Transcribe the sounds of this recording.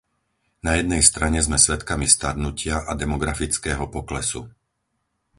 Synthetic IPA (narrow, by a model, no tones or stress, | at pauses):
najɛd̪nɛjst̪ɾaɲɛzmɛsʋɛt̪kamist̪ad̪nucɪaʔad̪ɛmɔɡɾafit͡skɛːɦɔpɔklɛsṵ